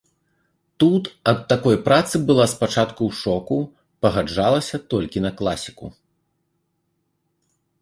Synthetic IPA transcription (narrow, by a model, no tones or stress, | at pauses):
t̪ut̪ɐt̪ːakɔjpɾat̪sɨbɨlˠaspat͡ʂat̪kuʂɔku | pɐɣad͡ʐalˠɐsʲɐt̪ɔlʲkʲinɐklˠasʲi̥kṵ